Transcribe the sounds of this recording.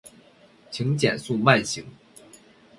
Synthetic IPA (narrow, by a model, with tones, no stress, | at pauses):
t͡ɕʰi˧˥ŋt͡ɕjɛ̰˨˩nsu˥˧ma˥˩ɪɕi˧˥ŋ